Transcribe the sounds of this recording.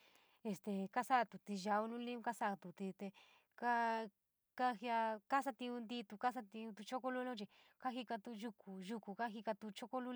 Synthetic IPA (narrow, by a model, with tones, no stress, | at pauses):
e˧st̪e˨ka˦sa˦ʔt̪u˨t̪i˧ʒa˧u˧nũ˦lĩ˦ũ˦ka˦sa˦a˧t̪u˨t̪i˧t̪e˧ | ka˦ | ka˦hi˧a˧ka˦sa˧t̪ĩ˧ũ˧nd̪i˧t̪u˧ka˦s̬a˧t̪ĩ˧ũ˧t̪u˧t͡ʃo˦ko˦lu˦lo˦t͡ʃi˧ | ka˦ɦi˧ka˧t̪u˧ʒu˧ku˨ʒu˧ku˨ka˦ɦi˧ka˧t̪u˧t͡ʃo˦ko˦lu˦